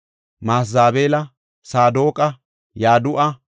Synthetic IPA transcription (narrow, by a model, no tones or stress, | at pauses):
maːsaːbeːlɐ | saːd̪o̞ːkʼɐ | jaːd̪ʊʔɐ